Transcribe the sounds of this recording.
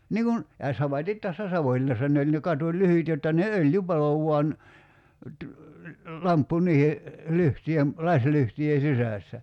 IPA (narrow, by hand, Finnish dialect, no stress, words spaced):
niːŋ kun jɑ sɑmɑtit tæsːæ sɑʋoĭlinːɑsːɑ ne olʲ ne kɑtulyhyt jotːɑ ne øljy pɑlo ʋuɑn ty lɑmpːu niːhe lyhtyjem lɑsʲlyhtyje sisæˑsːæ